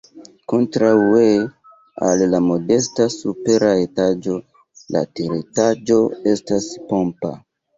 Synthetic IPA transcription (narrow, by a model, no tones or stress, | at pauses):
ko̞ntɾaue | alːamo̞de̞stasupe̞ɾaetad͡ʒo̞ | la̰teɾitad͡ʒo̞e̞staspo̞mpa̰